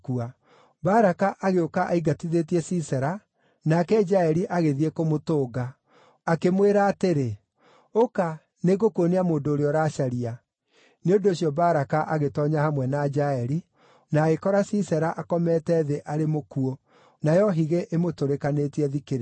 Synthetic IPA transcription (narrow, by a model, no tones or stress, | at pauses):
kua | baɾakaʔaɣeokaʔaiɡatiðetiɛsisɛɾa | nakɛd͡ʒaɛɾiʔaɣeðiekomotoːɡa | akemweɾaːteɾe | oka | neɣokoneamoːndoːɾeɔɾaʃaɾia | neondooɕjɔbaɾakaʔaɣetɔɲahamwɛnad͡ʒaɛɾi | naːɣekɔɾasisɛɾaʔakɔmɛːtɛːðeʔaɾemokuo | najɔɦiɣeʔemotoɾekanetiɛðikeɾ